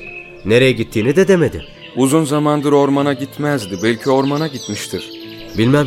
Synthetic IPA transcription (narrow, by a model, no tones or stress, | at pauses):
ne̞ɾe̞jɛɟit̪ʰːiːnid̪ɛd̪eme̞d̪i | uzunzamand̪ɯɾo̞ɾmanaɟit̪mæzd̪ibɛlʲcʰio̞ɾmanaɟit̪miʃt̪ʰiɾ̥ | bilʲmæm